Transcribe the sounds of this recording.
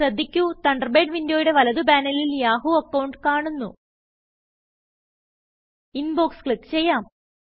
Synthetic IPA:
ɐd̪ʱːikʲːut̪ɐɳɖɐrbe̞ːɖʋindjoːjuɽe̞ʋɐlɐðubaːnɐliljaːɦuɐkːɐwɳɖkaːɳunːṵ | inboːkskɭit̪ːt͡ɕe̞jːaːm

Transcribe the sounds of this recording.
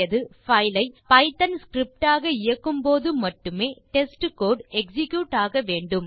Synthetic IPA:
ɐðɯfɐɪlɐɪpɐɪt̪ɐnskɾɪp̚ʈaːɣɐɪjɐkːɯmpoːðɯmɐʈːɯmeːʈɛsʈɯkoːɖɛksɪkjuːʈːaːɣɐʋeːɳɖɯm

